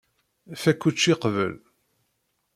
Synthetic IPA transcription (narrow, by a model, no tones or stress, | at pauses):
fækʷːut͡ʃːiqvə̰l